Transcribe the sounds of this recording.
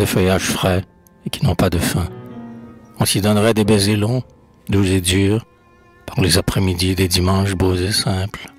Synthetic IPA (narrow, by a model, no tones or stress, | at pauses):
defəjaʒfʁɛ | ekʲinɔ̃pad̪əfɛ̃ | ɔ̃sid̪ɔnʁɛd̪ebɛzelɔ̃ | d̪uzed̪yːʁ | paʁlezapχɛmid̪id̪ed̪imɑ̃ʃbozesɛ̃pl